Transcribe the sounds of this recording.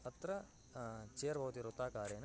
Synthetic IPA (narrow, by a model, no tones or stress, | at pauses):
ɐt̪ːɾɐ | t͡ʃeːɾbʱɐʋɐt̪iɾot̪ːaːkaːɾeːnɐ